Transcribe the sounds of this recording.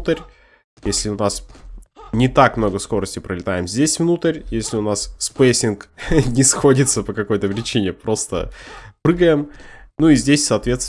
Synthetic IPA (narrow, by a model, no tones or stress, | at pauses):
t̪əɾʲ | jesʲlʲɪʊnas | nʲɪt̪akmnoɡəsko̞ɾəsʲtʲɪpɾəlʲɪt̪ajɪmzʲdʲesʲvnut̪əɾʲjesʲlʲɪʊnasspesʲɪnknʲɪsxo̞dʲɪt̪səpəkɐkojt̪əpɾʲɪt͡ɕinʲɪpɾo̞st̪ə̰pɾɨɡəjɪmnuizʲdʲesʲsɐːt̪vʲe̞t̪s